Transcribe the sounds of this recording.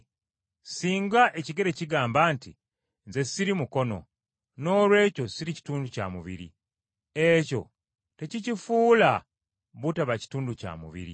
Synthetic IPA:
siːŋɡaʔe̞ciɡe̞ɾe̞ciɡaːmbaːnti | nze̞siɾimuko̞no̞̰ | no̞ːlwe̞ːco̞siɾici̥tuːnduca̰muβḭɾḭ | eco̞̰ | te̞cicifuːla | βutaβaci̥tuːnduca̰ːmṵβḭɾḭ

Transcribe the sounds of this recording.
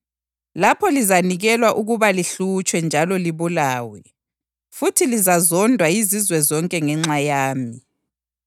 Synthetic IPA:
lapʰɔlizaniɣɛlwaʔuɣuβaliɬut͡ʃʼwɛnd͡ʒʱalɔliβulaːwɛ | futʰilizazɔndʱwaizizwɛzɔŋkʼɛŋɛŋ͡ǁajaːmi

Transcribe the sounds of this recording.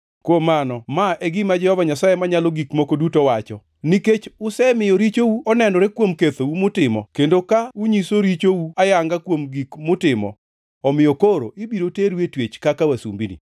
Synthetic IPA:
kwomanɔmaʔeɡɪmad͡ʒɛhɔvaɲasajemaɲalɔɡikmokodutowat͡ʃɔ | niket͡ʃʊsɛmɪjɔɾit͡ʃowuɔnɛndɔɾekwomket̪oumʊtɪmɔ̰kendokauɲisoɾit͡ʃowuajaŋɡakwomɡikmʊtɪmɔ̰ | ɔmɪjɔkoɾo̰ʔibiɾoteɾwetwet͡ʃkakawasṵmbinḭ

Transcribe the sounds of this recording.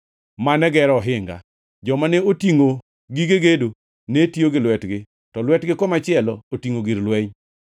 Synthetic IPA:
manɛɡɛɾɔɦɪŋɡa̰ | d͡ʒɔmanɛotiŋo | ɡiɡeɡedo | netioɡɪlwɛtɡɪ | tɔlwɛtɡɪkɔmat͡ʃɪɛlɔotiŋoɡiɾlwɛɲ

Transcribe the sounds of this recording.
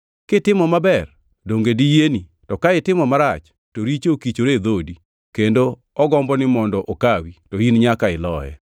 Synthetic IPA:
kɪtɪmɔmabɛr | doŋɡedijeni | tɔkaɪtɪmɔmaɾat͡ʃ | toɾit͡ʃokit͡ʃoɾed̪odi | kendo | ɔɡɔmbɔnɪmɔndɔʔokawitoinɲakaɪlɔjɛ̰

